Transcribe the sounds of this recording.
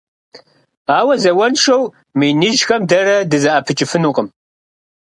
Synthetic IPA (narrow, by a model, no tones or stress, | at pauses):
aːwɐzɐwɐnʂɐw | mɨjnɨʒxɐmdɐrɐdɨzɐʔɐpʰɨt͡ʃʼɪfɨnuːqʼəm